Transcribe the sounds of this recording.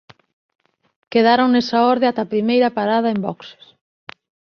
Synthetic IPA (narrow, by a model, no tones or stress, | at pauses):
keðaɾoŋnesaɔɾðeat̪apɾimejɾɐpaɾað̞ɐembɔkse̥s